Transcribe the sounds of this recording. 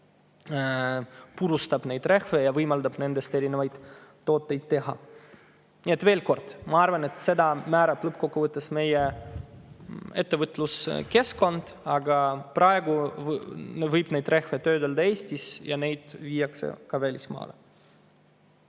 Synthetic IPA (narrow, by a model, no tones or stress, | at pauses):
puɾust̪ɑb̥ne̞jd̪re̞xve̞jɑvɯjmɑld̪ɑb̥ne̞nd̪̥e̞st̪e̞ɾinevɑjd̪̥t̪ːo̞ːt̪ˑːe̞jd̪̥t̪e̞ɦɑ̰ | niet̪ve̞ːlko̞rd̪̥mɑɑrvɑne̞t̪se̞d̪ɑmæːɾɑb̥lɤpːko̞kːuvɯt̪ˑːesme̞je | e̞t̪ːevɯt̪ːˑluske̞sko̞nd̪̥ | ɑɡɑprɑeɡu | vɯjb̥ne̞jd̪̥re̞xvet̪øːd̪eld̪ɑe̞ːsʲt̪ʲisjɑne̞jd̪̥viːjɑksḛkɑvælʲismɑ̰ːlḛ